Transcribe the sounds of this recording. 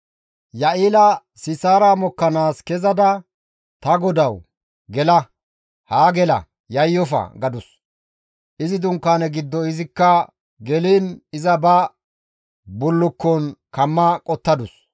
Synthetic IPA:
jɐʔiːlɐ | sɪsaːɾaːmɔkːɐnaːskɛzɐd̪ɐ | t̪ɐɡɔd̪ɐw | ɡɛlɐ | haːɡɛlɐ̰ | jɐjːɔfɐ̰ɡɐd̪ʊs | ʔɪzɪd̪ʊŋkːaːnɛɡɪd̪ːɔɪzɪkːɐ | ɡɛliːnɪzɐbɐ | bʊlːʊkːɔnkɐmːɐkʼɔt̪ːɐd̪ʊs

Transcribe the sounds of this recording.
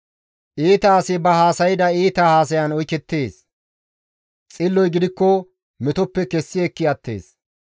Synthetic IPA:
ʔiːt̪ɐːsɪbɐhaːsɐjɪd̪ɐiːt̪ɐhaːs̬ɐjɐnɔjkɛt̪ːeːs | t͡sʼɪlːɔjɡɪd̪ɪkːɔ | mɛt̪ɔpːɛkɛsːɪɛkːɪɐt̪ːḛːs

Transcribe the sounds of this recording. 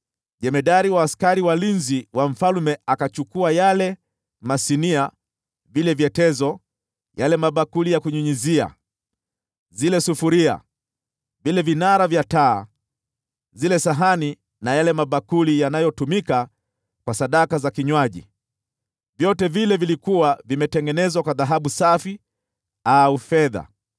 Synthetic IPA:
ʄɛmɛɗaɾiwaːskaɾiwalinziwaɱ̩falmɛakat͡ʃukuajalɛ | masinia | vilɛvjɛtɛzɔ | jalɛmaɓakulijakuɲuɲizia̰ | zilɛsufuɾia̰ | vilɛvinaɾavjataː | zilɛsaɦani | najalɛmaɓakulijanajɔtumika | kwasaɗakazakiɲwaʄḭ | vjɔtɛvilɛvilikuwavimɛtɛŋɡɛnɛzwakwaðaɦaɓusafi | aufɛða̰

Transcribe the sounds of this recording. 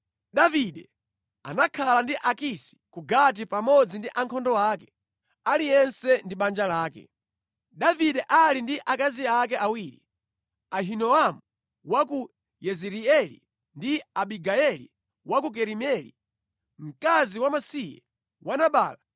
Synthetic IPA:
ɗaviɗɛ | a̰nakʰalandiʔakisi̥kuɡat̬ipamɔd͡zindiʔaŋkʰɔndɔwaːkɛ̥ | alijɛnsɛndiɓand͡ʒalaːkɛ̰ | ɗaviɗɛʔalindiʔakaziakɛʔawiːɾḭ | aɦinɔamu | waku | jɛziɾiɛlḭ | ndiaɓiɡaɛlḭ | wakuk̬ɛɾimɛlḭ | m̩kaziwamasijɛ̰ | wanaɓa̰ːla

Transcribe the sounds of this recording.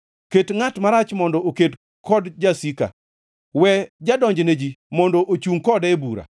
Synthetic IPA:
ketŋatmaɾat͡ʃmɔndɔʔoket | kʰɔdd͡ʒasika̰ | wɛd͡ʒadɔɲd͡ʒned͡ʒimɔndɔʔot͡ʃuŋkɔdɛbuɾa̰

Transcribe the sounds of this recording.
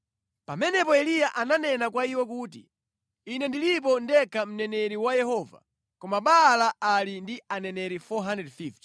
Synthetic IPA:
pa̰mɛnɛpɔɛlijaʔananɛnakwaiwɛk̬uːtḭ | inɛndilip̬ɔndɛkʰam̩nɛnɛɾiwajɛhɔːva̰ | kɔmaɓalaalindianɛnɛɾifɔɦandɾɛdfift

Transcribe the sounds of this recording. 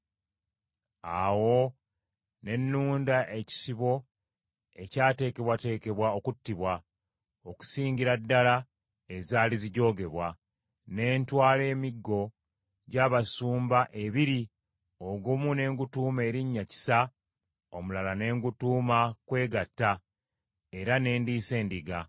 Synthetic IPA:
awo̞ | ne̞nːuːndaʔe̞ci̥siβo̞ | e̞caːte̞ːke̞βwate̞ːke̞βwao̞kutːiβwa | oku̥siːɲɟiɾadːala | e̞zaːliziɟo̞ːɡe̞βwa | ne̞ːntwaːle̞ːmiɡːo̞ | ɟaːβasuːmbaʔe̞βiɾi | oɡumune̞ːŋɡutuːme̞ːɾiɲːaci̥sa | o̞mulalane̞ːŋɡutuːmakwe̞ːɡatːa | e̞ɾane̞ːndiːse̞ːndiɡa

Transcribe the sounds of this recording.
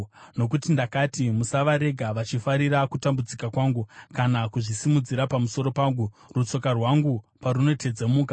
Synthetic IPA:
no̞k̬utindakatimusaʋaɾe̞ɡʱaʋat͡ʃifaɾiɾakutambud͡zikakwaːŋɡukanakuʐisimud͡ziɾapamuso̞ɾopaŋɡu | rut͡so̞karwaŋɡupaɾuno̞te̞d͡zemuːka

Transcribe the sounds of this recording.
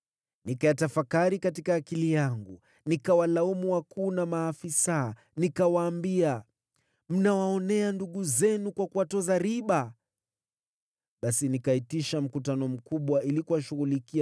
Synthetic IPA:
nikajatafakaɾikatikaːkilijaŋɡu | nikawalaumuwakuːnamaːfisa | nikawaːmbia | m̩nawaɔnɛanduɠuzɛnukwakuwatɔzaɾiɓa | ɓasinikaitiʃam̩kutanɔm̩kuɓwailikuwaʃuɣulikia

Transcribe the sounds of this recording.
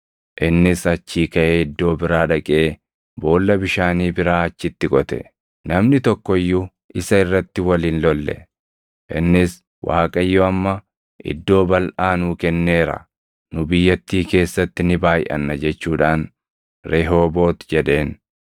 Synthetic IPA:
ʔɪnːɪsɐt͡ʃːiːkɐʔeːɪd̪ːo̞ːbɪɾaːᶑɐkʼe̞ː | bo̞ːlːɐbɪʃaːniːbɪɾaːɐt͡ʃːɪt̪ːɪkʼɔt̪ɛ̰ | nɐmnɪt̪ɔkːɔjːʊ | ʔɪsɐɪrːɐt̪ːɪwɐliːnlɔlːɛ̰ | ʔɪnːɪs | wʔa̰ːkʼɐjːoɐmːɐ | ʔɪ̰d̪ːo̞ːbɐlʔaːnuːkɛnːe̞ːɾɐ̰ | nʊbɪjːɐt̪ːiːke̞ːsːɐt̪ːɪnɪbaːjʔɐ̰nːɐd͡ʒɛt͡ʃːuːᶑaːn | ɾeɦo̞ːbo̞ːt̪d͡ʒɛɗe̞ːn

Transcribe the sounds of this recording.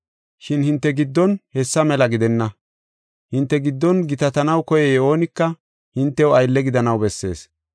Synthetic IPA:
ʃɪnhɪnt̪ːɛɡɪd̪ːɔnhɛsːɐmɛlɐɡɪd̪ɛnːɐ | hɪnt̪ːɛɡɪd̪ːɔnɡɪt̪ɐt̪ɐnɐwkɔjɛjɛo̞ːnɪkːɐ | hɪnt̪ːɛwɐjlːɛɡɪd̪ɐnɐwbɛsːe̞̰ːs

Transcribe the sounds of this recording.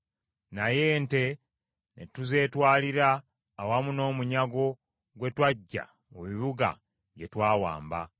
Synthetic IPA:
naje̞nte̞ | nḛtuze̞ːtwaːliɾaː | wamuno̞ːmuɲaɡo̞ | ɡwe̞twaɟːa̰ | emiβuɡa̰ | jetwaːwa̰ːmba̰

